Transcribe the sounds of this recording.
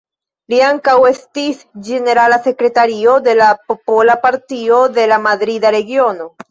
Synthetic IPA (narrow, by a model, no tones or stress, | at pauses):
liaŋkawe̞stis | d͡ʒe̞ne̞ɾalase̞kɾe̞taɾio̞de̞lapo̞po̞lapaɾtio̞de̞lamadɾidaɾe̞ɡio̞no̞